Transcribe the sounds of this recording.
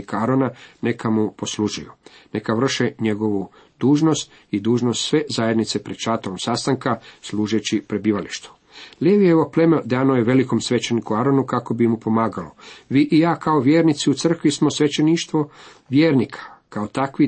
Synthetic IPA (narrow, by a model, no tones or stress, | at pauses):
ikaaɾonane̞kʰamupo̞sluʒujune̞kaʋr̩ʃeɲe̞ɡo̞ʋu | d̪̥uːʒno̞st̪ | id̪uːʒnost̪sʋe̞zaje̞d̪nit̪se̞pɾed̪̥ʃat̪oɾomsast̪aŋkasluːʒet͡ɕipɾe̞biːʋaliʃt̪u̥ | leʋijeʋople̞med̪aːnojeʋe̞liko̞msʋe̞t͡ʃe̞nikuaɾo̞nukako̞bimupo̞maːɡaloʋiʔijaːkao̞ʋjeːɾnit̪siut̪sr̩kʋismo̞sʋe̞t͡ɕeniʃt̪ʋo | ʋjeːɾnikʰḁkaot̪akʋi